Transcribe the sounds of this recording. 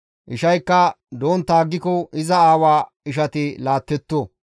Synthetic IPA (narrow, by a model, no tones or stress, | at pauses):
ʔɪʃɐjkːɐ | d̪oːnt̪aːɡːɪkɔɪzɐaːwaː | ɪʃ̬ɐt̪ɪlaːt̪ːɛt̪ːo